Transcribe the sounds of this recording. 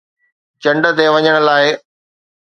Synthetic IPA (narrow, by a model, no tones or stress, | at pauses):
t͡ɕɐ̃ɳɖə̆t̪eʋɐɲəɽ̃ə̆laːɪ